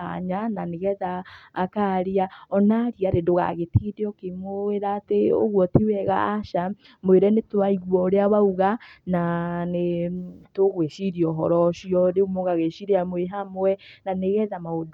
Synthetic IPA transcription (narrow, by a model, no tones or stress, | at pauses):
a̰ɲananeɣɛðaːkaɾiaɔnaɾiaɾedoɣa̰ɣetideɔkemoweɾaːteo̰ɣwɔtiwɛɣa̰ːʃa | mweɾɛnetwaiɣwɔːɾeawauɣananetoɣweʃiɾiɔɦɔ̰ɾɔʃiɔɾeumoɣaɣeʃiɾeamweɦamowɛnaneɣɛðamaod